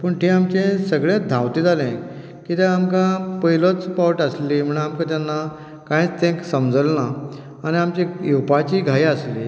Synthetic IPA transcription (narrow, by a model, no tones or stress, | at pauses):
pəɳʈ̪eamt͡ɕẽsəɡɭẽd̪ʱãwt̪iːd͡zalɛ̃ | kit̪ãamkãpəjlət͡spawʈəslim̤əɳ̃amkãt̪janːa | kãĩt͡st̪ẽksəmd͡zəlnaː | ñiamt͡ɕẽjiwpat͡ɕiːɡʱajəslḭ